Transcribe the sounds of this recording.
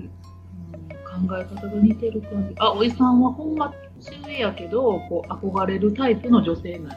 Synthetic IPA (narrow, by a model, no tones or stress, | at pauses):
okãŋɡae̞kat̪aɡ̪emʲit̪e̞ɾɯ̟kãɲd͡ʑiʔao̞isãɰ̃βahõ̞mːa | sɨejake̞d̪o̞ko̞ːʔako̞ɡaɾe̞ɾɯ̟t̪aipɯ̟no̞ʑo̞se̞ːnai